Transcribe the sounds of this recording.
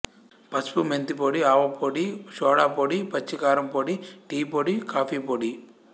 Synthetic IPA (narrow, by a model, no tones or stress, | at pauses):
pɐspument̪ipoːɽiaːʋɐpoːɽiʃɔːɽaːpoːɽipɐt͡ʃːikaːɾɐmpoːɽiʈiːpoːɽikaːpiːpoːɽi